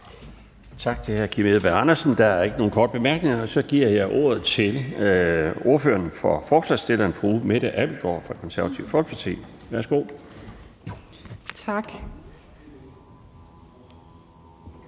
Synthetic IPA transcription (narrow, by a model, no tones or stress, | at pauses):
t͡sʰɑ̈ɡ̥̚t͡sʰe̝lhæɐkʰimeðˠb̥æɑ̈nɐsn̩d̥ɑ̈æɐe̝ɡ̥əno̝ːn̩kʰɒ̰ːd̥̚b̥e̝mæɐɡ̥ne̝ŋɐɒ̽sɒ̽ɡ̥iɐ̰jɑ̈ɪʔo̝̰ːɐð̞ˠt͡sʰe̝l | o̝ɐføːɐnfɒ̽fɒ̰ːslɑ̈ːsd̥e̝lɐnfʁuːmeɾ̥æʔæb̥l̩ɡ̥ɒ̰ːfʁɑ̈kʰɒ̽nsæɐʋæt͡sʰiʊfɒlɡ̥pʰɑ̈t͡sʰḭːʋæɐsɡ̥o̝̰ | t͡sʰɑɡ̥